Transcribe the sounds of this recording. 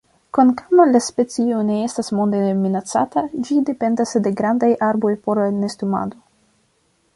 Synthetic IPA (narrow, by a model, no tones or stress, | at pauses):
konkamalaspe̞t͡sione̞e̞stasmo̞nd̪eminat͡sa̰tad͡ʒide̞pe̞ndasde̞ɡɾandajʔaɾbo̞jpo̞ɾlane̞stuma̰do̞